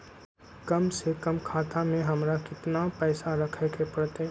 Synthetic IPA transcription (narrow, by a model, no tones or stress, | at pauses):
kɐmsekɐmkʰaːt̪amẽɦɐmɾakɪt̪napɛːsaɾɐkʰekʰepɐɾt̪e